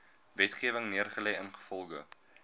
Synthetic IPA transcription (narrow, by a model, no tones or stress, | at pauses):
vɛtχiəvəŋniərχəlɛjənχə̥fɔlˠɣə